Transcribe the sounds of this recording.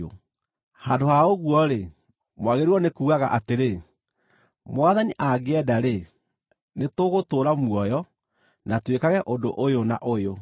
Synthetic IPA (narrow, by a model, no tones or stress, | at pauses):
o̰ | handohaoɣuɔɾe | mwaɣeɾiwɔnekuːɣaɣa̰ʔateɾe | mwaðaniʔaɡeɛdaɾe | netoɣotoːɾamwɔjɔ | natwekaɣɛʔondo̰ʔojonaʔojo